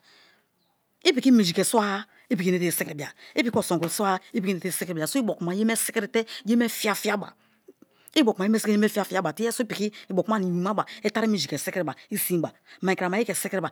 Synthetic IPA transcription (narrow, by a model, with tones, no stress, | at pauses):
i˦pi˨ki˦mi˨d͡ʒi˨ke˨su˦a˦ | i˦pi˨ki˦ne˦te˦˨si˦kɾi˨bi˨a˨i˦pi˦ko˨so˨ksu˦a˦i˦p̬i˨ki˦ne˨te˦˨si˦ki˨a˨so˦i˦bo˨kma˨je˦me˦si˦kɾi˨te˦je˦me˦fi˦a˦fi˦a˦ba̰˨ | i˦bo˨ke˦m˦e˦si˦e˦me˦fi˦a˦fi˦a˦ba˨ti˦e˦so˦i˦pi˨ki˦i˨bo˨ka˦ni˨i˨ma˦ba˨e˦ta˦ɾi˦mi˨d͡ʒi˨ke˨si˦ki˨ba˨i˦si˦ba˨ma˨ka˨ma˨˦i˦ke˨si˦kɾi˦ba˨